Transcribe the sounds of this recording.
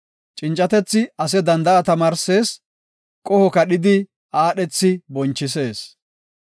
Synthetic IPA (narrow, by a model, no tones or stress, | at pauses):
t͡ʃʼɪnt͡ʃʼːɐt̪ɛt͡sːɪɐs̬ɛd̪ɐnd̪ɐʔɐt̪ɐmaːɾse̞ːs | kʼɔhɔkɐɗɪd̪ɪ | ʔaːɗɛt͡sːɪbɔnt͡ʃːɪs̬e̞ːs